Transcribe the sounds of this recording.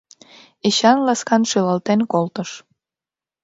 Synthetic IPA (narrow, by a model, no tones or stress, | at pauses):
eɕɑnlɑskɑnʃylɑlt̪enkolt̪əʃ